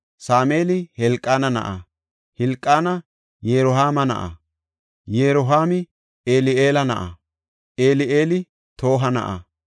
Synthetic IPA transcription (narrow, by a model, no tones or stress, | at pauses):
saːme̞ːlɪhɛlkʼːaːnɐnɐ̰ʔɐ | hɛlkʼːaːnɐ | jeːɾɔɦaːmɐnɐ̰ʔɐ̰ | jeːɾɔɦaːmɪ | eːlɪʔeːlɐnɐ̰ʔɐ̰ | ʔeːlɪʔeːlɪ | t̪ʰo̞ːɦɐnɐ̰ʔɐ̰